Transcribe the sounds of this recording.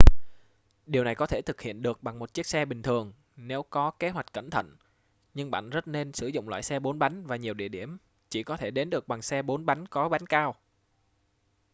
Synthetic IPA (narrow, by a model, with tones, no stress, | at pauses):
ɗi˨˩əwna˨˩jkɔ˨˦t̪ʰe˧˩t̪ʰɨ˨˩k̚hḭ˧˨ənɗɨ˨˩ək̚ɓa˨˩ŋmo˨˩t̚t͡ɕi˦˥ək̚sɛ˧ɓï˨˩ŋ̟t̪ʰɨ˨˩əŋ | ne˨˦wkɔ˨˦ke˨˦ɦwa˨˩jk̟̚kə˧˩nt̪ʰə̰˧˨n | ɲɨ˧ŋɓa̰ː˧˨nzə˦˥t̚ne˧nsɨ˧˩zʊ̰˧˨ŋ͡mlwa̰ː˧˨jsɛ˧ɓo˨˦nɓa˨˦jŋ̟vaː˨˩ɲi˨˩əwɗḭ˧˨əɗi˧˩əm | t͡ɕi˧˩kɔ˨˦t̪ʰe˧˩ɗe˨˦nɗɨ˨˩ək̚ɓa˨˩ŋsɛ˧ɓo˨˦nɓa˨˦jŋkɔ˨˦ɓa˨˦jnkaː˧w